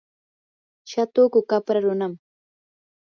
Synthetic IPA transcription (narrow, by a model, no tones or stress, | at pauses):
ʃat̪oːkʊkapɾaɾʊnam